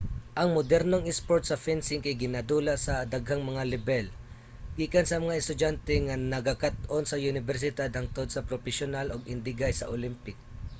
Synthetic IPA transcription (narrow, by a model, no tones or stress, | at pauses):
ʔɐŋmʊd̪ɛɾnoŋɛspoɹt̪̚sɐfɛnsɪŋkajɡɪnad̪uːlasɐd̪aɡɦaŋmɐŋalɪbɛl | ɡ̥iːkansɐmɐŋaɛst̪ʊd͡ʒant̪ɛŋanɐɡakat̪ʔonsɐʔʊnɪvɛɾs̬ɪd̪ad̪̚hɐŋt̪od̪̚sɐpɾopɛʃonaloɡɪnd̪ɪɡajsɐ̰ʔolɪmpɪk̚